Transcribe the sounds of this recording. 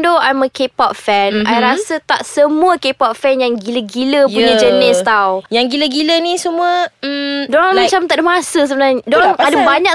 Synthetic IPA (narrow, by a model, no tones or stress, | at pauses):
ndoajməkepɔt̪̚fɛnajɾasət̪aʔsəmũəkepɔt̪̚fɛnjaŋɡiləɡiləjpuɲəd͡ʒənɪst̪awjaŋɡiləɡilənĩsəmũəm̩dɔŋmat͡ʃamt̪aʔdəmasəs̬əbənarɲədɔŋadəbaɲãk